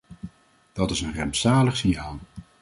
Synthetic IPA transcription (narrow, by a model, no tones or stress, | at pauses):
d̥ɑtɪsənrɛmpsaːləχsiɦaːlˠ